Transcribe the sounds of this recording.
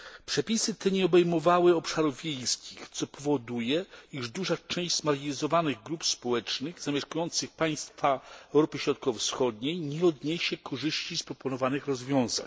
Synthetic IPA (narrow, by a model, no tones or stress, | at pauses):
pʂɛpʲisɘt̪ɛɲɛɔbɛjmɔvawɘɔpʂaɾuvvʲjeɛjskʲixt̪sɔpʰɔvɔd̪ujɛiʐd̪uʐat͡ʂɛ̃j̃ʑzmaɾɡʲiizɔvanɘɣɡɾupspɔwɛt͡ʂnɘɣzamʲɛʂkujɔnt̪sɘxpaj̃st̪faɛwɾɔpɘɕɾɔt̪̚kɔffsxɔd̪ɲejɲɛɔd̪ɲɛɕɛkʰɔʐɘɕt͡ɕispɾɔpɔnɔvanɘxɾɔzvʲjɔ̃w̃za̰ɲ